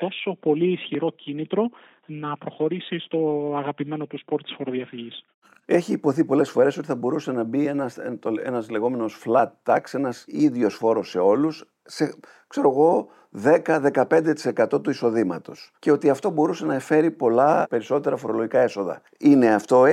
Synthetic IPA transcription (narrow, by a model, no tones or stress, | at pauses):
t̪o̞so̞po̞liːsçiɾo̞cʰinit̪ɾo̞ | nɐpɾo̞xo̞ɾisist̪o̞ɐɣɐpime̞not̪uspo̞ɾt̪i̥sfo̞ɾoðiɐfiʝis | e̞çiːpo̞θipo̞le̞sfo̞ɾe̞so̞t̪iθɐbo̞ɾuse̞nɐbienɐst̪oḛnɐzle̞ɣo̞me̞no̞sflɐt̪t̪ɐkse̞nɐsiðʝo̞sfo̞ɾo̞sːe̞o̞lus | se̞ | kse̞ɾo̞ɣo̞ | ðe̞kɐðe̞kɐpe̞nd̪e̞t̪i̥se̞kɐt̪o̞t̪uiso̞ðimɐ̰t̪o̞sce̞o̞t̪iɐft̪o̞bo̞ɾuse̞nɐefe̞ɾipo̞lɐpe̞ɾiso̞t̪e̞ɾɐfo̞ɾo̞loʝikɐe̞so̞ðɐ̰ | ine̞ɐft̪o̞